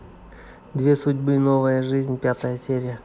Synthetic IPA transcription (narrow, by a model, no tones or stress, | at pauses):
d̪vʲe̞sʊdʲbɨno̞vəjəʐɨzʲnʲpʲat̪əjəsʲeɾʲɪjə